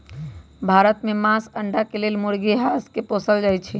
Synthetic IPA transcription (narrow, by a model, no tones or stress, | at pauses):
bʱaɾət̪memãsəɳɖakelelmuɾɡiɦaskeposəld͡ʒajt͡ʃʰɛ